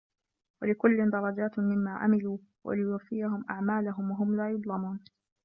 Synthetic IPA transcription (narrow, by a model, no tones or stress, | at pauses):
walɪkʊlːɪnd̪ɑɾˤɑd͡ʒaːt̪mɪmːaːʕa̰mɪluː | wa̰lɪjʊafːɪjaɦʊmʔa̰ʕmaːlaɦʊmwaɦʊmlaːjʊd̪ˤlɑmuːn